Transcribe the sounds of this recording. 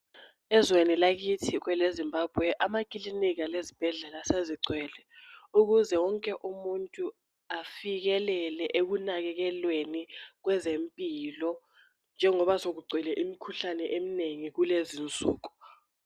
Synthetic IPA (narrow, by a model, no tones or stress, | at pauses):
ɛzwenilak̬itʰik̬wɛlezimbaːb̥ʱwɛʔamakʼilinik̬alezib̥ʱɛɮɛlaseziǀʱwɛːlɛuk̬uzɛwɔŋkʼɛʔumuntʼu | afik̬ɛlɛlɛʔek̬unak̬ɛk̬ɛlwenik̬wɛzempʼilɔ | nd͡ʒʱɛŋɔɓasok̬uɡ͡ǀʱwɛlɛʔimikʰuɬanɛʔemineŋik̬ulezint͡sʼṵːk̬u̥